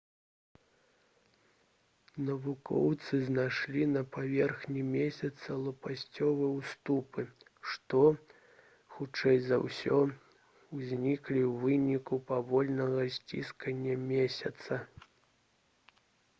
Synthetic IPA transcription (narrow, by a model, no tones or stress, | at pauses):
nɐvukɔ̰wt̪sɨznajʂlʲinɐpavʲɛrxnʲimʲesʲɐt̪sɐlˠupasʲt͡sʲɔvɨjwst̪upɨ | ʂt̪ɔ | xut͡ʂɛjzɐ̰wsʲɔ | wzʲnʲiklʲiwvɨnʲikupavɔlʲnɐɣɐsʲt͡sʲḭskɐnʲːɐmʲesʲɐt̪sɐ